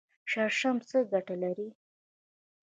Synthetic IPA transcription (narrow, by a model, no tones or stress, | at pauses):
ʃaɾʃamt͡səɡaʈalaɾi